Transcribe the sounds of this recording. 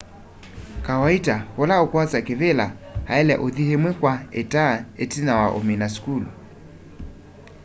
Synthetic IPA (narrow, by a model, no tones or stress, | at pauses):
kawaitahɔlaokwat͡sakɛβɛlahaɛlɛʔoðihɛmwɛkwaɛtaɛtinawaʔo̰minaskulṵ